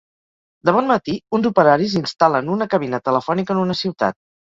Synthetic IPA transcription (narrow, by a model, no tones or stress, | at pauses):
d̪əβɔnmət̪iunzupəɾaɾizinst̪alənunəkəβ̞inət̪ələfɔnikəːnunəsiwt̪a̰t̪̚